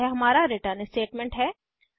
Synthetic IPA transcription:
ɦɛɦɐmaːɾaɾeʈəɾnesʈeːʈmɛ̃ɳʈɦɛː

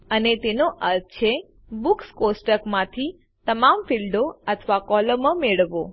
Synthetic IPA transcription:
ənet̪enoʔəɾt͡ʃʰe | bukskosʈəkmãt̪ʰi | t̪əmamfilɖoət̪ʰʋakɔləməmeɭʋo

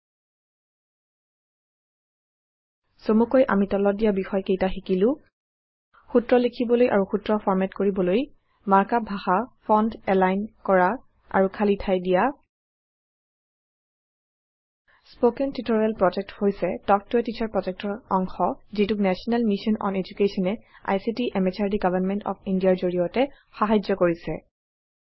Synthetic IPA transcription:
somukojʔa̰mitɔlɔdijabixɔjkejtaxikilʊ̃ | xutɹɔlikʰibɔlojʔa̰ɹuxutɹɔpʰɔɹmɛtkoɹibɔloj | maɹkabʱaxapʰɔndɛlajnkɔɹa | a̰ɹukʰalitʰajdija | spokɛntitɔɹalpɹɔd͡ʒɛk̚thojsɛtɔk̚tuɛtitʰaɹpɹɔtɛk̚tɔɹɔŋxɔzituknɛsɔnɛlmisɔnɔ̰ned͡ʒukesɔnɛa̰jsitiʔɛmɛt͡ʃʰaɹdiɡavʱanmɛntɔ̰pʰindijaɹzoɹiɔtɛ | xaɦajd͡ʒɔkoɹisɛ̰

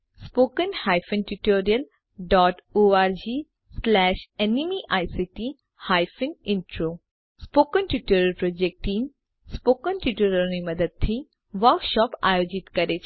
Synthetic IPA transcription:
spoːkənhaːjfənʈuʈoːɾijəl | ɖɔːʈoːaːɾd͡ʒiː | slɛːʃenimiʔaːjsiʈi | haːjfɪnɪ̃ɳʈɾoː | spoːkənʈuʈoːɾəlpɾoːd͡ʒek̚ʈiːm | spoːkənʈuʈoːɾəɾnimɐd̪əd̪̚t̪ʰi | ʋəɾkʃɔːpa̰ːjoːd͡ʒɪt̪kɐɾet͡ʃʰ

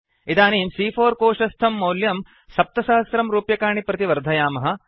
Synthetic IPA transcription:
it̪aːniːmsiːfʰoːɾkoːʂɐst̪ʰɐmːɐwljɐm | sɐp̚t̪ɐsaːɐsɾɐmɾuːpjɐkaːɳipɾɐt̪iʋɐɾd̪ʱɐjaːmɐɦɐ̆

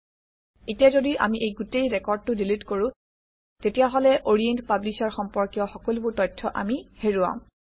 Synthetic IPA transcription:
etiazodiʔa̰miʔejɡutejɹɛkɔɹd̚tʊdilitkoɹũ | tetijaɦɔlɛʔoɹientpablisaɹxɔmpɔɹkijɔxɔkolubʊɹtɔjtʰːɔʔa̰miheɹuã̰

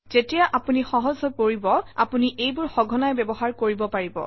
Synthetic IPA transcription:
z̥etijaʔapunixɔɦɔzɔpoɹibɔa̰puniʔejbʊɹxɔɡʱɔnajbɛbɔɦaɹkoɹibɔpaɹibɔ̰

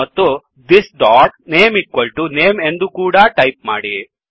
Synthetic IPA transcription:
ɐt̪ːu | d̪isɖaːkneːmiʈkːoɭʈuneːmend̪ukuːɽɐʈɐjp̚maːɽi

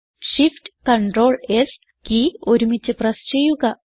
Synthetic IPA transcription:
ʂifʈkɐɳɖroːɭes | kioɾumit͡ɕːɨprɐst͡ɕejːuɣɐ

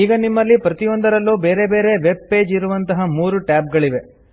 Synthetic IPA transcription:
iːɡɐnimːɐlːipɾɐt̪ijond̪ɐɾɐlːuːbeːɾe̞be̞ːɾe̞ʋe̞b̚pe̞ːd͡ʒiɾuʋɐnt̪ɐɦɐmuːɾuʈaːp̚ɡɐɭiʋe̞

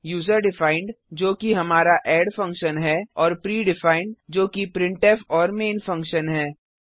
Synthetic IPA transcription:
juːzəɾɖɪfaːɪ̃ɳɖ | d͡ʒoːkiɦɐmaːɾaʔɛːɖfɐ̃ŋkʃənɦɛːɔːɾpɾiːɖɪfaːɪɳɖd͡ʒoːkipɾɪ̃ɳʈɛːfɔːɾmeːnfɐ̃ŋkʃənɦɛː

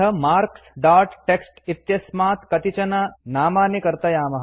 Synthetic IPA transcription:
ɐmaːɾksɖaːɾʈʈeksʈit̪jɐsmaːt̪kɐt̪it͡ʃɐnanaːmaːnekɐɾt̪ɐjaːmɐɦ

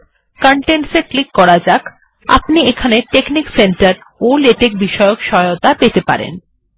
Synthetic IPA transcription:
kɔɳʈeɳʈseklikːɔɾad͡ʑak | a̰pniekʰaneʈeknikseɳʈaɾ | oleʈek̚biʃɔeokʃɔot̪apet̪epa̰ɾḛn

